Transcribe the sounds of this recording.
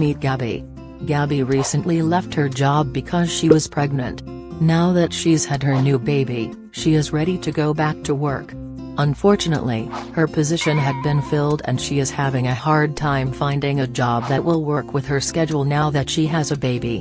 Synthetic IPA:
mit̚ɡ̥æbḭ | ɡæbiɹisɨ̃nʔlilɛft̚hə˞d͡ʒɑb̚ɨkʰʌz̥ʃiwʌz̥pʰɹ̥ɛɡ̚nɨ̰̃nʔ | naʊðɨtʃiz̥ɨd̚ə˞nʉbeɪbi | ʃiɨzɹɛɾiɾɨɡoʊbæk̚tʰəwɜ˞k | ʔə̃ɱfɔɹt͡ʃɨnə̰ʔlḭhə˞pʰɨzɪʃɨ̃nɨd̚bɨ̃nfɪlˠdɨ̰̃nʃiɨz̥hævɪ̃ŋɨhɑɹd̚tʰãɪ̃ɱfãɪ̃ndɪ̃ŋɨd͡ʒɑb̚ðɨʔ̚wɪlˠwɜ˞kʰwɨð̥ə˞skɛd͡ʒl̩ˠnaʊðɨtʃiɨzɨbeɪbi

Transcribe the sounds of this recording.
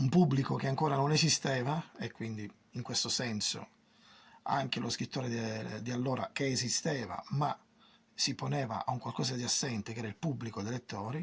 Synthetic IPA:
umpubːlikok̟eaŋkoːɾanonezist̪ɛːvaekːwind̪i | iŋkwest̪osɛnso̰ | a̰ŋk̟eloskɾit̪ʰːoːɾed̪ialːoːɾa̰k̟eːzist̪ɛːva̰ma | siponɛːva̰auŋkwalkɔːzad̪iasːɛnt̪ekeɛːɾailpubːlikod̪elet̪ːɔːɾi

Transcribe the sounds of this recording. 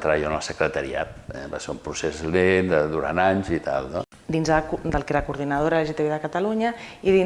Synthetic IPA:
t̪ɾəβajonəlˠsəkɾət̪əɾia̰t̪̚ɛ̰βaseumpɾusezlend̪əd̪uɾa̰naɲzit̪a̰lˠno | d̪inzkd̪əlˠkeɾakuɾðinəð̞oɾaleʒet̪eβeðəkat̪aluɲəiðin

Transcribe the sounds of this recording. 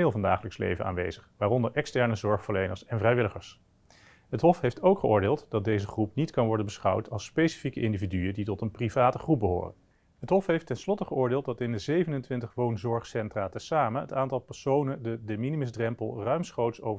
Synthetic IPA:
ɪːlˠvɑnda̰ːχələkslḛjvə̰na̰ːnʋḛjzəχʋaːrɔndəɹʔɛkstɛɹnəzɔɹχfəɹlejnəɹsɛnvrɛjʋɪləχəɹs | ɦətɦɔfɦejftowkχəʊːɹdɪːlˠtd̥ɑt̚dejzəχrupnitkɑnʋɔɹdənbəsχʌwtʰɑlˠspejsi̥fikəʔɪndividyəditɔtənprivaːtəχrup̚bəɦo̰ːrə̰n | ɦətɦɔfɦejftɛnslɔtəχəʊːɹdɪːlˠt̚dɑtɪndəzejvənəntʋɪntəχʋownzɔɹχsɛntraːtəsaːmənɦətaːntɑlˠpɛɹsownəndədəminimɪzdrɛmpəlˠrœɥmsχowtsow

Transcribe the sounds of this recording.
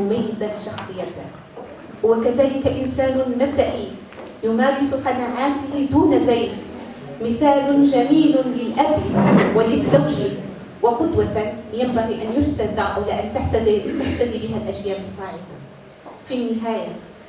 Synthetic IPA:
ʊmajːɪzaʃɑxsˤɨjːat̪ɪ | wakaðaːlɪkaʔɪnsaːnʊnab̚d̪aʔiː | jʊmaːɾɪsʊqanaʕaːt̪ɪhd̪uːnazajf | mɪθaːlʊd͡ʒamiːlʊlɪlʔabwɪlɪzːawʒɪ | wɪqʊd̪wat̪jambaɣiːʔanjʊd͡ʒt̪ad̪aʔawlaːʔant̪aħt̪at̪aħt̪ad̪ibɪɦalʔaʃjaːʔɪsˤːɑːʕɪd̪a | finːɪɦaːja

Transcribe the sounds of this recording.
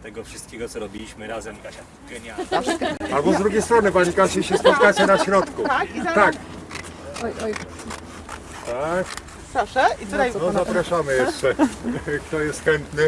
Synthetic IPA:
t̪ɛɡɔfʂɨ̥st̪kʲeɡɔt̪sɔɾɔbʲilʲiɕmɘɾazɛikaɕa | ɡɛɲaaabɔzd̪ɾuɡʲejst̪ɾɔnɘpaɲikaɕɛɕɛspɔt̪kat͡ɕɛnaɕɾɔt̪kut̪ak | t̪ak | pɾɔʂɛit̪ut̪ajnɔzapɾaʂamɘjɛʂt͡ʂɛkt̪ɔjɛst̪xɛnt̪nɘ

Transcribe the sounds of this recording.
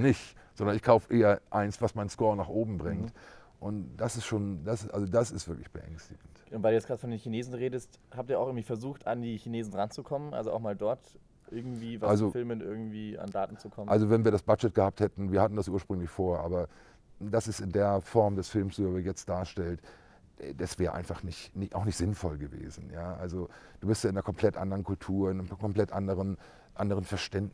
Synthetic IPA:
nɪçtz̥ɔndɐnɪçkʰaʊfəʔeːɐʔaɪnsv̥asmaɪnskɔːɐnaːχʔoːbm̩bʁɪŋt | ʔʊntd̥asɪstʃoːndasʔa̰lzodasɪstv̥ɪɐklɪçb̥əʔɛ̰ŋstɪɡ̥ŋ̩tʔʊntvaɪdujɛt͡sɡ̥ʁaːtfɔndeːnçineːzn̩ʁeːdəsthaːp̚tiːɐaʊxɪɡ̩ŋtviːfɛɐzuːxtandiːçineːzn̩ʁant͡sukʰɔmənʔa̰lzoʔa̰ʊxmaːldɔɐt | ʔɪɐɡŋ̩tv̥iːvaalzofɪlmənʔɪɐɡŋ̩tv̥iːa̰ndaːtn̩t͡sukʰɔməʔalzovɛnviːɐɾasb̥at͡ʃɛt̚ɡ̥əhaːp̚thɛtn̩viːɐhatn̩dasʔuːɐʃpʁ̥ʏŋlɪçfoːɐʔaːbɐ | dasɪstɪndeːɐfɔɐmdɛsfɪlmsuəvəjɛt͡st̚d̥aːɐʃtɛltː | dasv̥ɛːʁəʔa̰ɪnfaχnɪçtnɪʔa̰ʊxnɪçtz̥ɪnfɔlɡəvḛːzn̩jaːʔa̰lzod̥uːbɪstjaɪnɐkʰɔmpʰl̥ɛtʔa̰ndəʁənkʰʊltʰuːɐɪnəmkʰɔmpl̥ɛtʔandəʁən | ʔandəʁənfɛɐʃtɛnd

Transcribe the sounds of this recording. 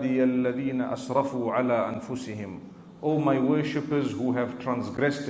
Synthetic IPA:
d̪ialːaðiːnaʔa̰sɾˤɑfuːʕalaːʔãnfʊsɪhɪ̃m | ʔoːmajwəːʃɪpəzhuɦɛv̥tʰɹãnsɡɾɛst

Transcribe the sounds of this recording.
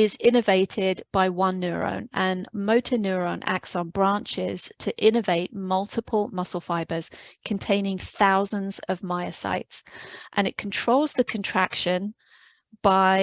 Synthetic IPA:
ɪzɪ̃nəveɪtʰɪdb̥aɪwʌ̃nːjʉːɹə̰̃ʊ̃nə̃nməʊtʰənjʉːɹə̃ʊ̃nʔa̰k̚tsn̩bɹɑ̃ˑnt͡ʃɪz̥tʰəʔɪ̃nəveɪʔmʌlˠtʰɪpʰəlˠmʌsl̩ˠfaɪbəz̥kʰə̃ntʰẽɪ̃nɪ̃ŋθaʊzə̃nz̥əvmaɪəsa̰ɪtsʔə̃nɪʔ̚kʰə̃ntʰɹ̥oʊlˠzðəkʰə̃ntʰɹ̥akʃə̃n | b̥aɪ

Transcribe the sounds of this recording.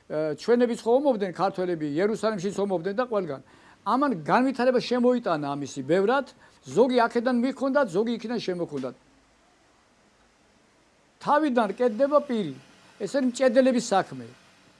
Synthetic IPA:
t͡ʃʰwɛnɛbit̪sʰχɔɔmɔbd̪nɛnkʰaɾt̪ʰwɛlɛbijɛɾusalɛmʃit̪sʰɔmɔbd̪nɛnd̪aqʼwɛlɡan | amanɡanvit̪ʰaɾɛbaʃɛmɔit̪ʼanaːmisibɛvɾat̪ʰ | zɔɡiakʰɛd̪anmikʰɔnd̪at̪ʰzɔɡiːkʰd̪anʃɛmɔkʰɔnd̪at̪̚ʰ | t̪ʰavid̪ankʼɛt̪̚d̪ɛbapʼiɾi | ɛsaɾimt͡ʃʼɛd̪ɛlɛbisakʰmɛ

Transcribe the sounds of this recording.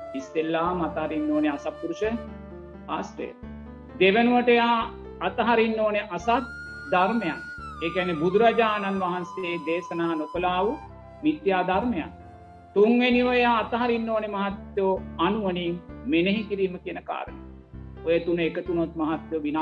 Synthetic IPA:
ist̪elːaːmat̪ɐɦaɾinːoːneasapːuɾuʃə | ast̪ḛ | d̪eʋənuʋəʈəjaː | t̪ɐɦaɾinːoːneʔasat̪̚ | d̪aɾmeja̰neːkɛnːebud̪uɾɐd͡ʒaːnanʋaɦanseːd̪eːsɐnaːnokolaːʋu | mit̪jaːd̪aɾmeja̰n | t̪uŋʋeniʋəjaːt̪ɐɦaɾinːoːnemɐɦat̪joanuʋənimeneɦikiɾiːməkijənəka̰ːɾəne | ojet̪unekət̪unot̪mɐɦat̪joʋina

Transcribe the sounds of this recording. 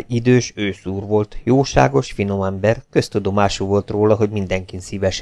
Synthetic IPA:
id̪øːʃøːsuːrʋo̞lt̪joːʃa̰ːɡo̞ʃfino̞mɛmbɛrkø̞st̪ud̪o̞maːʃuːvo̞lt̪roːlɒɦo̞ɟmind̪ɛŋkinsivɛʃ

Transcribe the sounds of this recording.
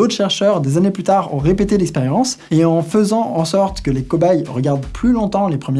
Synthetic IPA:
ot̪ʃɛʁʃœʁd̪ezaneplyt̪aʁɔ̰̃ʁepet̪elɛkspeʁjɑ̃seɑ̃fəzɑ̃ʔɑ̃sɔʁt̪kəlekɔbajʁəɡʲaʁd̪plylɔ̃t̪ɑ̃lepχəmj

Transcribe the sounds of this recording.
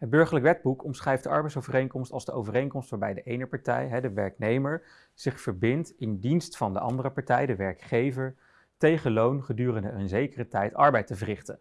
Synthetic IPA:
ɦəd̚bɵɹχəɹləkʋɛd̚bukɔmsχrɛjfdəɑ̰ɹbɛjtsowvərejŋkɔmstɑlˠzdəʔo̰wvərejnkɔmstʋaːɹbɛjdəʔejnəpɑɹtɛ̰jɦɛdəʋɛɹknejməɹ | z̥ɪχfəɹbɪntɪndinstfɑndə̰ʔɑ̰ndərəpɑɹtɛjdəʋɛɹkχejvəɹ | tejχəlownχədyːrəndəənzejkərətɛjtɑ̰ɹbɛjtəvərɪχtən

